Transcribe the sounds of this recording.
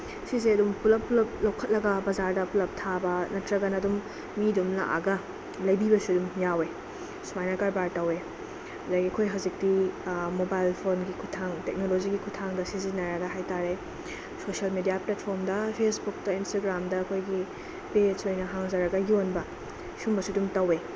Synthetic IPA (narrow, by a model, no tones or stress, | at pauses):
sizeɐdumpʰulɐpʰːulɐp̚lowkʰːɐt̚lɐɡɐbɐzaɾdɐpʰulɐp̚tʰabɐnɐtɾɐɡɐnɐdumː | idumna̰ʔa̰ɡɐ | lɐjbibɐsuɐdumjawe | sumajnɐkaɾbaɾtɐwe | ɐdaɡiɐkʰojɦɐzik̚dimobajlpʰonɡikʰutʰaŋtek̚noloziɡikʰutʰaŋdɐsizinɐɾɐɡɐɦajtaɾe | sosiɐlmedijaplet̚pʰoɾmdɐpʰesbuk̚dɐinstaɡɾamdɐːkʰojɡi | pesojnɐɦaŋzɐɾɐɡɐjonbɐ | sumbɐsudumtɐwe